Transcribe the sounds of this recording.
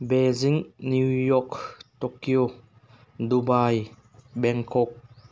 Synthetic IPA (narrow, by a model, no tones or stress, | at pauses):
bɛziŋnujɔktɔkio | d̪ubaj | bɛŋkʰɔk̚